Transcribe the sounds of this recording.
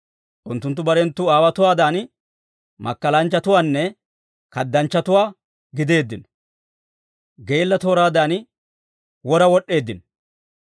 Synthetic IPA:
ʔʊnt̪ːʊnt̪ːʊbɐɾɛnt̪ːʊaːwɐt̪ʊwaːd̪aːn | mʔɐ̰kːɐlɐnt͡ʃːɐt̪ʊwaːnːɛ | kɐd̪ːɐnt͡ʃːɐt̪ʊwaː | ɡɪd̪e̞ːd̪ːɪn | ɡejlːɐt̪o̞ːɾaːd̪aːn | wɔɾɐwɔɗːe̞ːd̪ːɪn

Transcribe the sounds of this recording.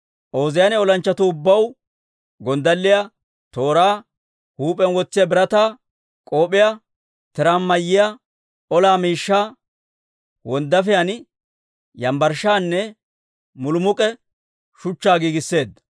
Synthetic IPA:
ʔo̞ːzɪjɐnɛɔlɐnt͡ʃːɐt̪ʊːbːɐw | ɡɔnd̪ɐlːɪja | t̪o̞ːɾaː | huːpʼɛnwɔt͡sːɪjɐbɪɾɐt̪aː | kʼoːpʼɪja | t̪ɛɾamːɐjːɪja | ɔlaːmiːʃːaː | wɔnd̪ɐfɪjɐn | jɐmbɐɾʃaːnːɛ | mʊlʊmʊkʼɛ | ʃʊt͡ʃːaːɡiːɡɪsːe̞ːd̪ɐ

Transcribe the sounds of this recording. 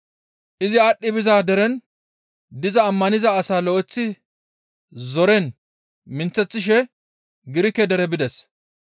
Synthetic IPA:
ʔɪzɪɐɗːɪbɪzaːd̪ɛɾɛn | d̪ɪzɐːmːɐnɪzɐːsaːlɔʔɛt͡sːɪ | zɔɾɛn | mɪnt͡sːɛt͡sːɪʃɛ | ɡɪɾɪkɛd̪ɛɾɛbɪd̪ɛs

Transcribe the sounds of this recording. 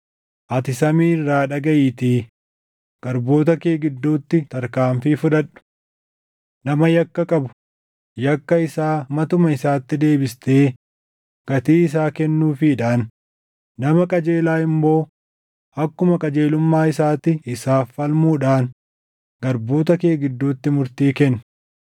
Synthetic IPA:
ʔɐt̪ɪsɐmiːrːaːᶑɐɡɐʔɪːt̪iː | ɡ̥ɐɾbo̞ːt̪̬ɐkeːɡɪd̪ːuːt̪ːɪt̪ɐɾkaːɱfɪfʊᶑɐᶑʊ̥ | nɐmɐjɐkːɐkʼɐbʊ̥ | jɐkːɐɪsaːmɐt̪ʊmɐɪsaːt̪ːɪd̪e̞ːbɪst̪eː | ɡ̥ɐt̪iːɪs̬aːkɛnːuːfɪᶑaːnː | ɐmɐkʼɐd͡ʒe̞ːlaːɪmbo̞ː | ʔɐkːʊmɐkʼɐd͡ʒeːlʊmːaːɪsaːt̪ɪɪsaːfɐlmuːᶑaːn | ɡ̥ɐɾbo̞ːt̪ɐke̞ːɡɪd̪ːuːt̪ːɪmʊɾt̪iːkɛnː

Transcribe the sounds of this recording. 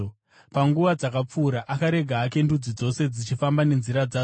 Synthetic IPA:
paŋɡuʋad͡zakap͡fuːɾaʔakaɾe̞ɡʱaːke̞ndud͡zid͡zo̞se̞d͡zit͡ʃifambane̞nziɾad͡zaː

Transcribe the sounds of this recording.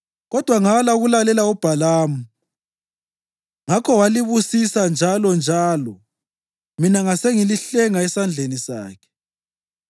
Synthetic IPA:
ɣɔd̥ʱwaŋalauɣulalɛlaub̥ʱalaːmu | ŋakʰɔwaliβusisand͡ʒʱalɔnd͡ʒʱaːlɔ | minaŋaseŋiliɬɛŋaɛsand͡ɮʱenisa̰ːkʰɛ̥

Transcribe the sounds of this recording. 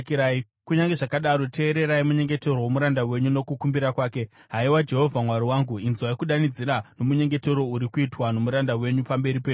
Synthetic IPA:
kiɾa | kuɲaŋɡe̞ʐakaɗaɾo̞tʰe̞ːɾe̞ɾaimuɲe̞ŋɡe̞te̞rowomuɾandawe̞ɲuno̞kukumbiɾakwaːke̞ | ɦaiwad͡ʒe̞ɦo̞vʱamwaɾiwaːŋɡuinzwaikuɗanid͡ziɾano̞muɲe̞ŋɡe̞teɾo̞uɾikuitwano̞muɾandawe̞ɲupambe̞ɾipeɲu

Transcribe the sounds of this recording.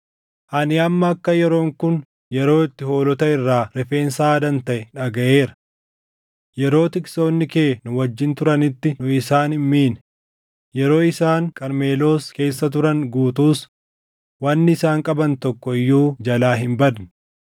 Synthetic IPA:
ʔɐnɪɐmːɐːkːɐjɛɾo̞ːŋkʊn | jɛɾo̞ːɪt̪ːɪho̞ːlɔt̪ɐɪrːaːɾɛfe̞ːnsaːd̪ɐnt̪ɐʔɛᶑɐɡɐʔe̞ːɾɐ̥ | jɛɾo̞ːt̪ɪkso̞ːnːɪke̞ːnʊwɐd͡ʒːɪnt̪ʊɾɐnɪt̪ːɪnʊɪsaːnɪmmiːnɛ | jɛɾo̞ːɪsaːŋkʼɐɾme̞ːlo̞ːske̞ːsːɐt̪̬ʊɾɐŋɡuːt̪uːs | wɐnːɪɪsaːŋkʼɐbɐnt̪ɔkːɔɪjːuːd͡ʒɐlaːɦɪmbɐd̪n

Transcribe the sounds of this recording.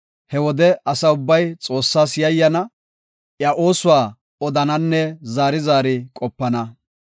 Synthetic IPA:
hɛwɔd̪ɛɐsɐʊbːɐjt͡sʼo̞ːsːaːsjɐjːɐnɐ | ʔjɐʔo̞ːsʊwaː | ɔd̪ɐnɐnːɛzaːɾɪzaːɾɪkʼɔpːɐnɐ

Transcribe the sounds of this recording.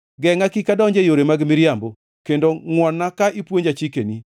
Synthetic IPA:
ɡɛŋakikadɔɲd͡ʒejoɾemaɡmɪɾjambo | kendoŋwɔnːakaʔipwoɲd͡ʒat͡ʃikeni

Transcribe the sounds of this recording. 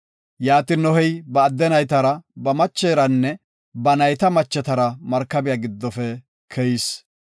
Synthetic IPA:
jaːt̪ɪnɔɦɛjbɐːd̪ːɛnɐjt̪ɐɾɐbɐmɐt͡ʃːeːɾɐnːɛ | bɐnɐjt̪ɐmɐt͡ʃːɛt̪ɐɾɐmɐɾkːɐbɪjaɡɪd̪ːɔfɛ | kʰɛjɪs

